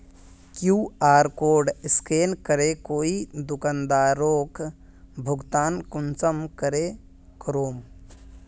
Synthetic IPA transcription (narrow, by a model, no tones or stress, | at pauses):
kjuːaːɾkoːɾɖɪskeːnkəɾekoːid̪ʊkənd̪aːɾoːk | bʱʊɡt̪aːnkʊnt͡ʃəmkəɾe | kɾoːm